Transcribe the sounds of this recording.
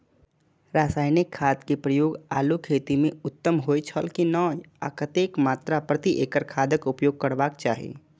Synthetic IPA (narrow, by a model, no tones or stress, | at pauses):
ɾaːsaːɪnɪkʰːaːd̪kepɾəjoːɡaːlukʰeːt̪imẽʊt̪ːəmɦoːet͡ʃʰəlkinɔːj | a̰kət̪eːkmaːt̪ɾapɾət̪iʔeːkəɾkʰaːd̪əkʊpjoːɡ̚kəɽbaːkt͡ʃa̰ːɦiḛː